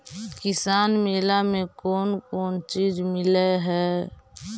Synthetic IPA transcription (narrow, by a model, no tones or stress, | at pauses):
kɪsaːnmeːlamẽkɔːnkɔːnt͡ʃiːd͡ʒmɪleɦɛː